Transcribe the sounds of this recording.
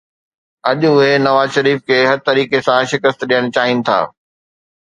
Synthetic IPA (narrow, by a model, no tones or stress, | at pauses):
ɐʄʊʊɦenɐʋaːzʃɐɾiːfkʰeːɦɐɾt̪ɐɾiːkesãʃɪkəst̪ɗijəɽ̃t͡ɕaːɦinɪ̆t̪ʰa̰ː